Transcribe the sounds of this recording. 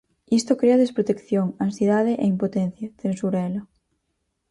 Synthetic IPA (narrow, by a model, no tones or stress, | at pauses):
ist̪okɾeaðespɾot̪ekθjoŋãnsjeðaðeʔeimpot̪en̟θjaθensuɾɛla